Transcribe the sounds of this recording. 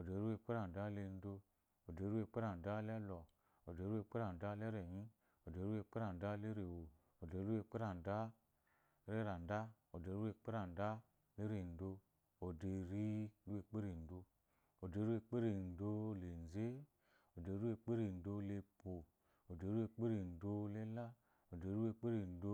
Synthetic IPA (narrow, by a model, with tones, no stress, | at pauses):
o˨de˨˧˨ɾu˦e˧˨k͡pe˦ɾa˨n˨da˦le˧n̩˦do˧ | o˨de˨˧˦ɾu˦e˧k͡pe˦ɾa˨n˨da˦lɛ˦lɔ˨ | o˨de˧˦ɾu˦e˧˨k͡pe˦ɾa˨n˨da˦lɛ˦ɾɛ˨ɲĩ˦ | o˨de˧˨˦ɾu˦e˧k͡pe˦ɾa˨n˨da˦le˦ɾe˨wo˨ | o˨de˨˧˦ɾu˦e˧˨k͡pe˦ɾa˨n˨da˦ | ɾe˦ɾa˨n̩˨da˦ | o˨de˧˨˦ɾu˦e˧˨k͡pe˦ɾa˨n̩˨da˦ | le˦ɾe˨n̩˨do˧ | o˨de˧ɾi˦ɾu˦e˧˨k͡pe˦ɾe˨n̩˨do˧ | o˨de˧˦ɾu˦e˧˨k͡pe˦ɾe˨n̩˨do˧˦le˨n˨ze˦ | o˨de˨˧˦ɾu˦e˧k͡pe˦ɾe˨n̩˨do˧˦le˧po˨ | o˨de˧˦ɾu˦e˧k͡pe˦ɾe˨n˨do˧le˦la˦ | o˨de˧˦ɾu˦e˧k͡pe˦ɾe˨n̩˨˦do˧˦